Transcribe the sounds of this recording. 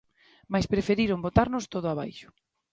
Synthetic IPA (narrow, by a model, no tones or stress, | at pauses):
majspɾefeɾiɾombot̪aɾnʊst̪oðʊaβa̰jʃʊ̥